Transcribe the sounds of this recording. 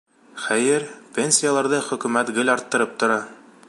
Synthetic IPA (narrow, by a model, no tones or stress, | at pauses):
χæjɘɾpʲenʲsʲijalˠɑɾðɤχɵ̆kʉ̆mæt̪ɡɘlɑɾt̪ːɤ̆ɾɤp̚t̪ŏɾɑ